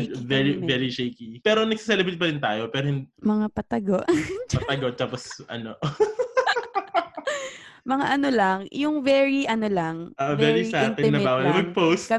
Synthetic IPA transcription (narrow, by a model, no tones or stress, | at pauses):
vɛɹiɛɾiʃejkipɛːɾonɐɡsi̥sɛlɛbɾet̪̚pɐɾɪnt̪a̰ːjopɛːɾohɪnd̪mɐŋapɐt̪ɐɡoʔpɐt̪ɐɡoʔt̪aːposʔɐ̰no | mɐŋa̰ʔɐnolɐŋjʊŋvɛɹiʔɐnolɐŋʔoʔovɛɹisaːkɛnːɐbaːwɐlɐmɐɡ̚posɐ